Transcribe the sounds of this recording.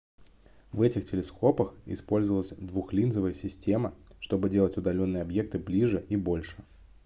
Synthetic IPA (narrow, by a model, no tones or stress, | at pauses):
vɛtʲɪxtʲɪlʲɪskʰo̞pəxɪ̰spo̞lʲzəvəlˠəsʲd̪vuxlʲinzəvəjəsʲɪsʲtʲe̞məʂt̪o̞bɨdʲe̞lˠətʲʊd̪ɐlʲo̞nːɨjɐbje̞k̚t̪ɨblʲiʐɨʔibo̞lʲʂɨ̥